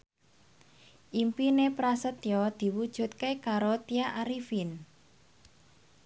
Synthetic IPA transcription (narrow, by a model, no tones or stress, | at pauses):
ʔimpinepɾasət̪jɔd̪̥i̤wud̥ʒ̥ṳt̪̚kekaɾot̪iaʔaɾifin